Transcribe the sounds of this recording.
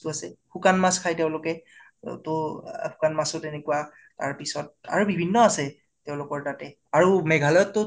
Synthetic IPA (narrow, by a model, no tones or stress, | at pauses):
tʊasɛhukanmaskʰajteʊ̃lʊkɛ̰ | tʊhu̥kanmasʊtenekuwa | ta̰ɹpisɔt̚a̰ɹubibʱinːɔasɛ | tɛʊ̃lʊkɔɹtatɛ | aɹumɛɡʱalɔjɔtːʊ